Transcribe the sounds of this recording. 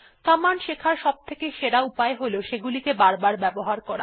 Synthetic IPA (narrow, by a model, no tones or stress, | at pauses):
k̪amanʃekʰaɾʃɔb̚t̪ʰekeʃeɽaupaeɦoloʃeɡulikebaɾbaɾbɛboɦaɾkɔɾa̰